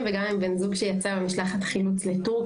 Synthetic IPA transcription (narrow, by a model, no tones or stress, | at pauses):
mveɡamimbenzuɡʃejat͡sabemiʃlaχatχilut͡sletuʁk